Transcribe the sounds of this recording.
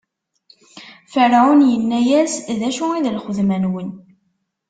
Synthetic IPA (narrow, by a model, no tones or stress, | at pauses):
fəɾʕunjənːæjæsðæʃuiðlχəðmænwən